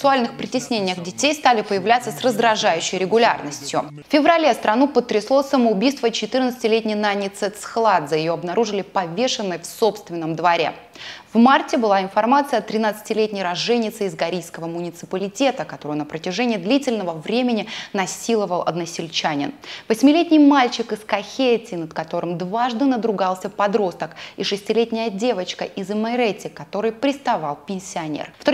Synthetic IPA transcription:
sʊalʲnɨxpɾʲɪtʲɪsʲnʲenʲɪjəxdʲɪtʲejst̪alʲɪpəjɪvlʲat̪səsrəzd̪ɾɐʐajʉɕːɪjɾʲɪɡʊlʲarnəsʲtʲjʊ | fʲfʲɪvrɐlʲe̞st̪ɾʔɐnupət̪ːɾʲɪslˠosəməʊbʲijst̪vət͡ɕɪt̪ɨrnət̪ɨ̥tʲɪlʲetʲnʲɪjnanʲːɪt̪sɛt̪sxlˠad̪zəjɪjo̞ɐbnɐɾuʐɨlʲɪpɐvʲe̞ʂɨnːəjfso̞pst̪vʲɪnːəmd̪vɐɾʲe̞̰ | vmartʲɪbɨlˠaɪnfɐrmat̪sɨjɐt̪ɾʲɪnat̪sɨ̥tʲɪlʲetʲnʲɪjɾɐʐɛnʲːɪt̪sɨɪzɡɐɾʲijskəvəmʊnʲɪt̪sɨpəlʲɪtʲe̞t̪əkɐt̪o̞ɾɨjnəpɾətʲɪʐɛnʲɪjəd̪lʲitʲɪlʲnəvəvɾʲemʲɪnʲɪnɐsʲilˠəvəlˠɐ̰d̪nəsʲɪlʲt͡ɕanʲɪ̰nvəsʲmʲɪlʲetʲnʲɪjmalʲt͡ɕɪkɨskɐxʲetʲɪnəd̪kɐt̪o̞ɾɨmd̪vaʐd̪ɨnəd̪ɾʊɡalˠsʲəpɐd̪ɾo̞st̪əkiʂɨsʲtʲɪlʲetʲnʲɪjədʲe̞vət͡ɕkəʔɪzɨmɐɾɛtʲːɪkɐt̪o̞ɾɨjpɾʲɪst̪ɐvɑlˠpʲɪnʲsʲɪɐnʲḛrft̪

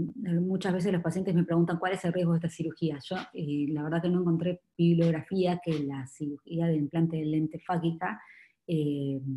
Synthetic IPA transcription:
mut͡ʃazβe̞s̬eslo̞spasjent̪esme̞pɾe̞ɣunt̪aŋkwale̞selrjeɣoest̪asiɾuxiaʒ̥o̞elaβeɾðakeno̞eŋko̞nt̪ɾe̞biβlo̞ɣɾafiakelasiɾuxiaðeimplant̪eðelent̪efakika | e

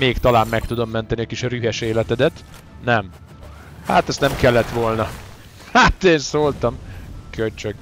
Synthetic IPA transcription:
meːkt̪ɒlaːmːɛkt̪ud̪o̞mːɛnt̪ɛniɒkiʃryɦɛʃeːlɛt̪ɛd̪ɛt̪ | nɛm | ha̰t̪ɛst̪nɛmkɛlːɛt̪ʋo̞lnɒ | hat̪eːnsoːlt̪ɒmkølt͡ʃøk

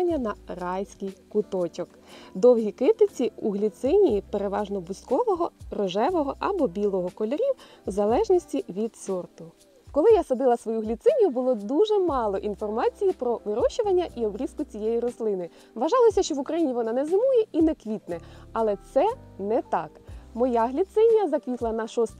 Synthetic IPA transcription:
nʲːɐnɐrɑjsʲkɪjkʊt̪ɔt͡ʃɔk | d̪ɔwɦʲikɪt̪ɪt͡sʲiuɦlʲit̪sɪnʲijipeɾeʋɑʒnɔbʊskɔʋɔɦɔrɔʒɛʋɔɦɔʔɐ̰bɔbʲilˠɔɦɔkɔlʲɔɾʲiw | zɐlˠɛʒnʲisʲtʲiʋʲid̪sɔrt̪ʊ | kɔlˠɪjasɐd̪ɪlˠɐsʋɔjuɦlʲit̪sɪnʲijʊbʊlˠɔd̪uʒɛmɑlˠɔʔinfɔrmɑt͡sʲijipɾɔʋɪɾɔʃʊʋɐnʲːɐʔiɔbɾʲiskʊt͡sʲijejiɾɔslˠɪnɪ | ʋɐʒɑlˠɔsʲɐʃt͡ʃɔʋʊkɾɐjinʲiʋɔnɑnɛzɪmujɛinɛkʋʲit̪nɛɐlˠɛt̪sɛnɛt̪ɑkmɔjɑɦlʲit̪sɪnʲijɐzɐkʋʲit̪lˠɐnɐʃɔst̪

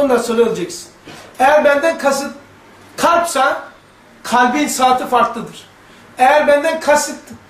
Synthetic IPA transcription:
onlˠasolʲɛelʲd͡ʒɛksi̥nɛjæɾbɛnd̪ɛnkʰas | kʰaɾpsa | kʰalʲbinsaːt̪ʰɯfaɾklˠɯd̪ɯɾ̥ | ɛjæɾbɛnd̪ɛnkʰasɨt̪

